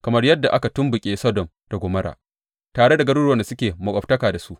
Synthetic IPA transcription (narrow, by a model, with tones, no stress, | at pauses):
kɐ˨mɐ˦rjɐ˦dːa˨ʔa˦ka˨tʊ˦mbʊ˨kʲʼeː˦sɔ˦dɔ˨m | d̥a˨ɡʷoː˨mɐ˦ɾa̰ː˨ | taː˨ɽe˦da˨ɡɐ˦ɽuː˦ɽɐ˨na˨sʊ˦kʲeː˨mɐ˨kʼɔ˨b̚tɐ˦kaː˨da˨su˦ʔ